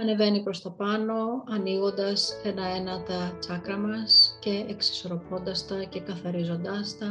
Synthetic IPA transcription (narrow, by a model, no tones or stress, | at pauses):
ɐne̞ve̞nipɾo̞st̪ɐpɐno̞ɐniɣo̞nd̪ɐse̞nɐe̞nɐt̪ɐt͡sɐkɾɐmɐsce̞eksi̥so̞ɾo̞po̞nd̪ɐst̪ɐce̞kɐθɐɾizo̞nd̪ɐst̪ɐ